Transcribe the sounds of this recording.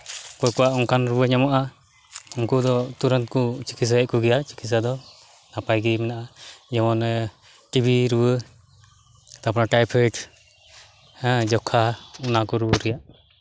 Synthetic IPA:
kɔjkuwaʔɔŋkʰanɾubəɲamaʔa | uŋkud̪ɔt̪uɾɔnt̪̚kut͡ʃi̥kʰis̬aɛʔ̚kuɡɛjat͡ʃi̥kʰis̬ad̪ɔ | napajɡimɛnaʔaɲɛmɔn | ʈibiɾuwə | t̪apɔɾaʈajpʰɛʈ | d͡ʒɔkʰaunakuɾubəɾɛjaʔ

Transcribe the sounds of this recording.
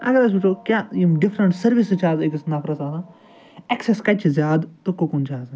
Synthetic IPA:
ɐ̰ɡɐɾɐsiʈoːkjaːimɖɪfɾəɳʈsɐɾʋisɨt͡ʃʰaːzekisnɐːpʰɾɐsaːt̪aː | ɛkseskɐt͡ʃʰzjaːd̪t̪okokunt͡ʃʰaːz

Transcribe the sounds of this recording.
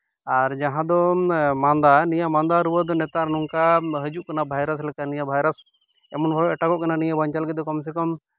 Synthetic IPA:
aɾd͡ʒaɦãd̪ɔmand̪anijamand̪aɾubad̪ɔnɛt̪aɾnuŋkaɦəd͡ʒuʔkanabʱajɾas̬lɛkanijabʱajɾas | ɛmɔnbʱaɽɔɛʈakɔʔkananijabɔɲt͡ʃalɡɛd̪ɔkɔms̬ɛkɔm

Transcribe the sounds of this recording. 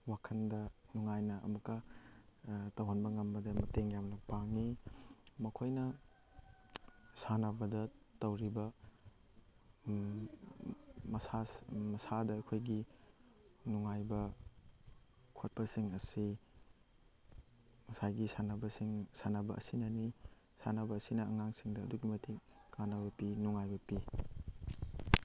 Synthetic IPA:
wakʰɐndɐnuŋajnɐʔɐ̰mukɐ | tɐwhanbɐŋɐmbɐdɐmɐteŋjamnɐpaŋi | mɐkʰojnɐ | sanɐbɐdɐtɐwɾibɐ | mɐsasmɐsadɐːkʰojɡi | nuŋajbɐ | kʰot̚pɐsiŋɐsi | mɐsajɡisanɐbɐsiŋsanɐbɐʔɐ̰sinɐni | sanɐbɐːsinɐɐŋaŋsiŋdɐɐ̰duɡimɐtʰikanɐbɐpinuŋajbɐpi

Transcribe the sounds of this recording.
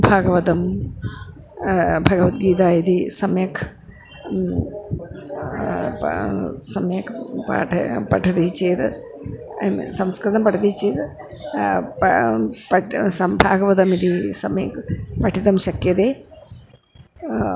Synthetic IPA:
bʱaːɡɐʋɐt̪ɐm | bʱɐɡɐʋɐt̪̚ɡiːt̪aːid̪isɐmjɐkʰ | sɐmjɐkʰpa̰ːʈʰɐpɐʈʰɐt̪it͡ʃːeːt̪ɨ | msɐmskɾɐnɐmpɐʈʰɐd̪it͡ʃːeːt̪ɨ | pɐpɐsɐbʱaːɡɐʋɐt̪ɐmid̪isɐmjḛkʰpɐʈʰit̪ɐmʃɐkjɐt̪eː

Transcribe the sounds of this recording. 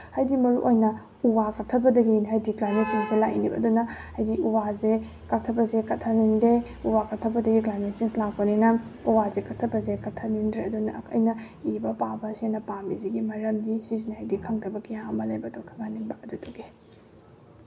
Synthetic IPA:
hajdimɐɾṵʔojnɐ | uwakɐk̚tʰɐbɐdɐɡiɦajdiklajmet̚siŋsilaʔḭnibɐ̰ɐdunɐhajdiuwaze | kak̚tʰɐbɐzekɐtʰːɐniŋdɾe | uwakɐtʰːɐbɐdɐɡiklajmett͡ʃiŋslak̚pɐninɐuwazekɐtʰːɐbɐzekɐtʰːɐniŋdɾeɐdunɐɐkʰɐ̰jnɐ | ibɐpabɐsenɐpamiziɡimɐɾɐmdisiznihajdikʰɐŋdɐbɐkijamɐlɐjbɐdukʰɐŋaniŋbɐɐdutuɡe

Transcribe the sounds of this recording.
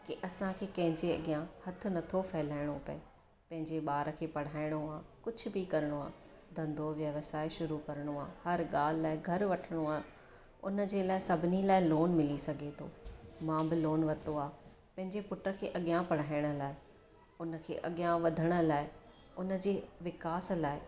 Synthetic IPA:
kiʔɐsãkʰeːkɐ̃ɦɪ̃ɲd͡ʑeɐ̰ɠjãhɐt̪ʰʊ̆nɐt̪ʰofɛɦɪlaːɪɽ̃opɐ̰e | pɐ̃ɦɪ̃ɲd͡ʑeɓaːɾəkʰeːpɐɽ̤aːɪɽ̃oaːkʊd͡ʑʱʊ̆bɪkɐɾɪɽ̃oaː | d̪ʱɐ̃nd̪ʱoʋjɐʋsaːɪʃʊɾukɐɾɽ̃oaːhɐɾɠaːl̤ɪlaːɪɡʱɐɾʋɐʈʰəɽ̃oaː | ʊ̰nə̆d͡ʑeːlaːɪsɐbʱɪnilaːɪloːnmɪlisɐɡʱet̪ʰo̰ːmãːmbɪloːnʋɐt̪oaː | pɐ̃ɦɪ̃ɲd͡ʑepʊʈɾəkʰeːʔɐɠɪjãpɐɽ̤aːɪɽ̃ə̆laːɪ | ʊnə̆kʰḛːʔɐɠjãʋɐd̪ʱəɽ̃ə̆laːɪ | ʊnə̆d͡ʑeːʋɪkaːslaːɪ

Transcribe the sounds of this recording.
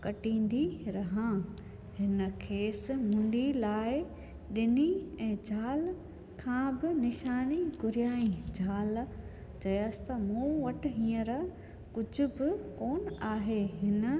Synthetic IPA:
kɐʈĩːn̆d̪iɾɐɦã | hɪnə̆kʰeːsɪ̆mʊ̃ɳɖilaːɪ | ɗɪniɛ̃ːd͡ʑʱaːl | kʰãːbɪnɪʃaːniɡʊɾijaːĩd͡ʑʱaːl | t͡ɕɐjaːsɪ̥t̪ɐmũːʋɐʈʰɪ̆ɦĩːəɾ | kʊd͡ʑʱʊ̆bɪkoːnaːɦeɦɪnə̆

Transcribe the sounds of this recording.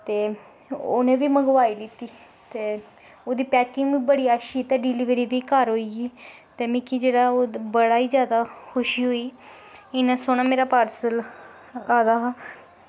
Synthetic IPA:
t̪eː | o̰ːnẽːʋiːməɡʋaːiːlɪt̪iː | t̪eː | oːd̪iːpɛːkɪŋɡbiːbəɽiːaːʃit̪ɛːɖɪlɪːʋɾiːʋiːkəɾɦoːiːiːt̪eːmɪ̃kiːd͡ʒeːɽaːoːbəɽaːiːd͡ʒjaːd̪aːkʰʊʃiːɦoːiː | ɪnãːsoːɽ̃aːmeːɾaːpaːɾsəl | aːd̪aː

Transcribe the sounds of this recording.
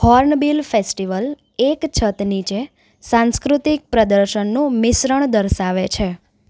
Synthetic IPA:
hɔɾnbilfesʈiʋəl | ekt͡ʃʰət̪nit͡ʃe | sãnskɾut̪ik̚pɾəd̪əɾʃənːũmɪsɾəɳ̃d̪əɾʃaʋet͡ʃʰe

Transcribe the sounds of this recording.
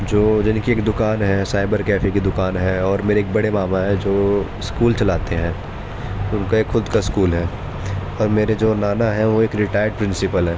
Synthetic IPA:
d͡ʒoːd͡ʒɪnkieːkd̪ʊkaːnɦɛsaːɪbəɾkɛːfʰikid̪ʊkaːnɦɛ̃ɔːɾmeːɾeːk̚bɐɽemaːmaɦɛ̃d͡ʒoː | skuːlt͡ʃɐlaːt̪eɦɛ̃ː | ʊnkaeːkxʊd̪kaskuːlɦɛː | ɔːɾmeːɾed͡ʒoːnaːnaɦɛ̃ʋoeːkɾɪʈaːɪɾɖ̚pɾɪ̃nsɪpəlɦɛː

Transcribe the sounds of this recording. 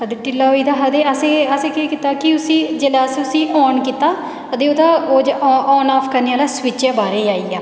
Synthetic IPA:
əd̪eʈɪlːaːoːid̪aːɦəd̪eːəseːəseːkiːkit̪aːkɪʊsĩːd͡ʒeːlaːsiːʊsĩːʔɔːnkit̪aː | ət̪eːoːd̪aːoːd͡ʒɔːnaːpʰkəɾneːaːlaːsʋɪt͡ʃaːbaːɾeːaːiːaː

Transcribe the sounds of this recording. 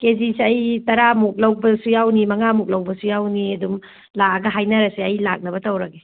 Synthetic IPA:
kezisɐjtɐɾamuk̚lɐwbɐsujawnimɐŋamuk̚lɐwbɐsujawniɐdum | laɡɐɦajnɐɾɐsiɐjla̰k̚nɐbɐtɐwɾɐɡe

